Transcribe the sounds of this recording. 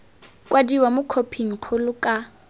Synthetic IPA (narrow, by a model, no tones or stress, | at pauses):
kʼwadiwamʊkʰopʰiŋ̩q͡χʰʊlʊkʼa